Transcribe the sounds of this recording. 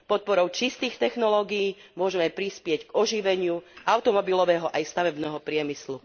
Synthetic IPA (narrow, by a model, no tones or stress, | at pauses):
pɔt̪̚pɔɾɔʊt͡ʃist̪iːxt̪ɛxnɔlɔːɡijːmʊɔʒɛmɛpɾispɪɛɟɡɔʒiʋɛɲɪuʔaʊt̪ɔmɔbilɔʋɛːɦɔʔajst̪aʋɛbnɛːɦɔpɾɪɛmislu